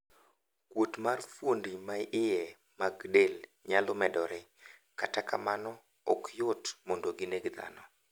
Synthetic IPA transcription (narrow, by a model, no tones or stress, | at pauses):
kwotmarfwondimaʔɪjɛ | maɡdelɲalʊmɛdɔɾɛkataka̰manɔ | ɔ̰kʰjotmondoɡineɡd̪a̰nɔ